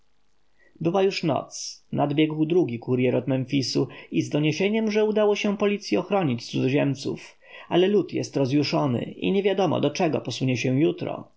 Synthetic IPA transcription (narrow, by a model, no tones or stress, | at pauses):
bɘwajuʂnɔ̰t̪snʔad̪bʲjɛɡwd̪ɾuɡʲikuɾjɛɾɔt̪mɛnfʲisuizd̪ɔɲeɕeɲɛmʐɛud̪awɔɕɛ̃pɔlʲit̪sʲjiɔxɾɔɲit͡ɕt̪uzɔʑɛmt̪sṵf | alɛlut̪jɛ̰st̪ɾɔzjuʂɔnɘ̰ḭɲɛvʲjad̪ɔmɔ̰d̪ɔt͡ʂɛɡɔ̰pɔsuɲɛɕɛ̃jut̪ɾɔ̰